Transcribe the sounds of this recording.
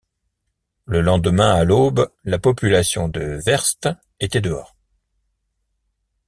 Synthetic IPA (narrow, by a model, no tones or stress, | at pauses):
ləlɑ̃d̪əmɛ̃aloblapɔpylasjɔ̃d̪əvɛʁst̪ | et̪ɛd̪əɔːʁ